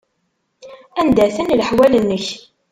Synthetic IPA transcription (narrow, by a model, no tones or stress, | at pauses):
ænd̪æθənləħwælənːəç